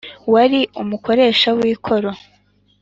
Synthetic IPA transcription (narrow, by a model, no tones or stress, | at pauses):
waɾiumuko̞ɾe̞ːʃawiːkʰo̞ɾo